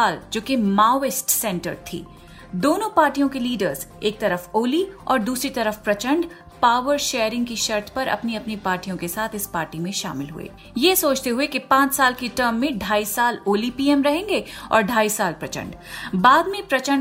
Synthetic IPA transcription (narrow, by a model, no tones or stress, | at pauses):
aːld͡ʒoːkemaːɪsʈsɛ̃ːɳʈə̰ɾt̪ʰḭː | d̪oːnõpaːɾʈijõkeliːɖəɾzeːk̚t̪ɐɾəfoːliɔːɾd̪uːsɾit̪ɐɾəfpɾɐt͡ʃə̃ɳɖ | paːʋəɾʃeːjɾɪ̃ŋɡkiʃɐɾt̪ʰpɐɾɐ̰pniɐpnipaːɾʈijõkesaːt̪ʰɪspaːɾʈimẽʃa̰ːmɪlɦṵḛː | jesoːt͡ʃt̪eɦuekipãːt͡ʃsaːlkeʈəːɾmːẽɖʱaːisaːloːlipiːɛmɾɐɦẽːŋɡeɔ̰ːɾɖʱaːisaːlpɾɐt͡ʃə̰̃ɳɖ | baːd̪mẽpɾɐt͡ʃə̃ɳ